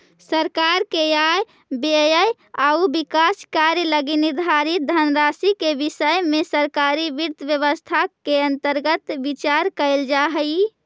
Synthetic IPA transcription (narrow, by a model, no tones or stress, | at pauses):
səɾkaɾkejaj | bejəj | aubikaskaɾjələɡiniɾd̪ʱaɾit̪̚d̪ʱənɾasikebisəjmesəɾkaɾibiɾt̪ʰəbjəβəst̪ʰakeə̃nt̪əɾɡət̪bit͡ʃaɾkəɪld͡ʒaɦəj